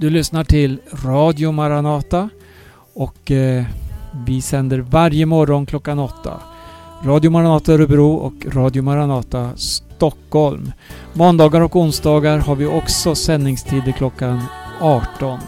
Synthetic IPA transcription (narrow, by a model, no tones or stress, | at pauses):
d̪̥ɵlʏsnaʈʰɪlɾɑːd̪jʊmaɾanɑːt̪a | ɔkː | vɪsɛnd̪əɾvaɾjəmɔɾɔnkʰlɔkːanɔt̪ʰːa̰ɾɑːd̪jʊmaɾanɑːt̪aɛɾɵbɾuːʔɔ̰kɾɑːd̪jʊmaɾanɑːt̪ast̪ɔkhɔlmmɔnd̪ɑːɡaɾɔkʊnsd̪ɑːɡaɾhaɾvɪʔɔksɔsɛnːɪŋst̪ʰiːd̪əkʰlɔkːanɑːʈɔn